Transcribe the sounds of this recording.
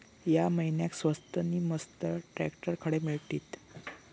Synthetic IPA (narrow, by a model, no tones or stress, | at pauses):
jaməɦinjaksʋəst̪əniːməst̪əʈɾæ̰kʈəɾkʰəɽemiɭt̪iːt̪